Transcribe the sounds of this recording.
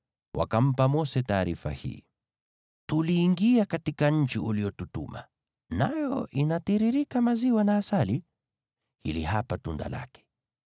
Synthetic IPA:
wʔa̰kam̩pamɔsɛtaːɾifa̰hḭː | tuliːŋɡiakatikaɲ̩t͡ʃiʔuliɔtutṵma̰ | najɔʔinatiɾiɾikamaziwanaːsali | hilihapatunda̰la̰kɛ̥

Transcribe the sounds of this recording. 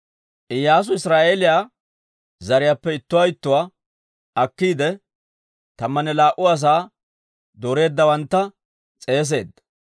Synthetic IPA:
ʔɪjːaːs̬ʊɪsɾaːʔeːlɪjaː | zɐɾɪjaːpːɛɪt̪ːʊwajɪt̪ːʊwaː | ɐkːiːd̪ɛ | t̪ɐmːɐnɛlaːʔʊɐs̬aː | d̪oɾe̞ːd̪ːɐwɐnt̪ːɐ | t͡sʼe̞ːs̬e̞̰ːd̪ːɐ

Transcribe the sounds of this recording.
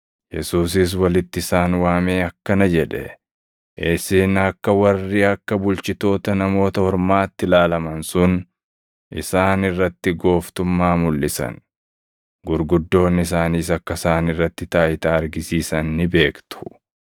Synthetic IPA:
jɛsuːs̬ɪs̬wɐlɪt̪ːɪɪsaːnwaːmeːɐkːɐnɐd͡ʒɛᶑɛ̰ | ʔeːsɪːnɐkːɐwɐrːiːɐkːɐbʊlt͡ʃɪt̪o̞ːt̪ɐnɐmo̞ːt̪ɐhɔɾmaːt̪ːɪlaːlɐmɐnsʊn | ʔɪsaːnɪrːɐt̪ːɪɡo̞ːft̪ʊmːaːmʊlːɪsɐ̰n | ɡʊɾɡʊd̪ːo̞ːnːɪs̬aːniːs̬ɐkːɐsaːnɪrːɐt̪ːɪt̪aːʔɪt̪aːɐɾɡɪsiːsɐnːɪbe̞ːkt̪ʊ̥

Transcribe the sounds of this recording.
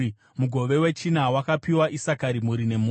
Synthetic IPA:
muɡʱo̞ʋe̞we̞t͡ʃinawakapiwaʔisakaɾimuɾine̞mu

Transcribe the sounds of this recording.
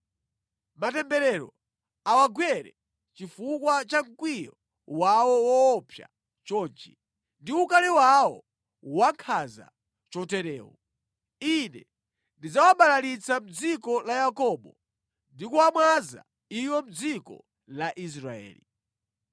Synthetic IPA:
matɛmbɛɾɛɾɔ̰ | awaɡwɛɾɛ̰ | t͡ʃifukwat͡ʃaŋ̩kwijɔ | wawɔwɔːpʰja̰ | t͡ʃɔːnt͡ʃi | ndiukalɛwawɔ̰ | waŋkʰaza̰ | t͡ʃɔtɛɾɛːwɔ | inɛ | ndid͡zawamɓbalalit͡sam̩d͡zikɔlajakɔɓɔ | ndikuamwaza̰ | iwɔm̩d͡zikɔ̰ | laʔis̬ɾaɛ̰ːli

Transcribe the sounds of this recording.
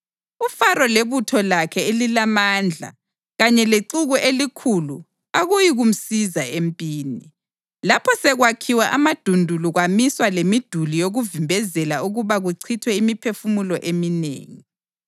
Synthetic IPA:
ufaɾɔleβutʰɔlakʰɛelilamand͡ɮʱa̰ | ɣaɲɛleǀuɣuʔelikʰulu | aɣujiɣum̩sizaempʼiːni | lapʰɔsɛɣwakʰiwaʔamad̥ʱundʱuluɣwamiswalemid̥ʱulijoɣuvimbʱɛzɛlauɣuβaɣuǀʰitʰwɛimipʰefumulɔʔeminḛːŋi

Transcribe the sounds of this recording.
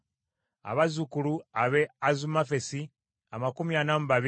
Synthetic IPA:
a̰βazukuluaβe̞azumafe̞si | amakumianamuβaβi

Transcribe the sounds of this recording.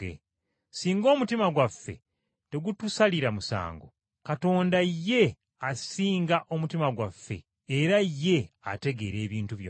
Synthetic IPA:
ḛ | siːŋɡo̞ːmutimaɡwafːe̞̰ | te̞ɡutusaliɾamusa̰ːŋɡo̞̰ | kato̞ːndajːe̞ | asiːŋɡaʔo̞mutimaɡwafːe̞̰ː | ɾajːe̞ | a̰te̞ɡe̞ɾe̞ːβiːntuβjo̰

